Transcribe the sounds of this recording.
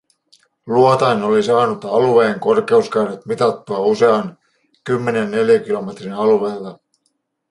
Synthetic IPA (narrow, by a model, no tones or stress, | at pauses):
luot̪ɑjno̞lisɑːnut̪ɑluʋe̞ːŋko̞rke̞uskɑjnet̪mit̪ɑt̪ːuɑuse̞ɑn | kymːe̞nenːe̞ljæk̟ilo̞me̞t̪rinɑlueːlːɑ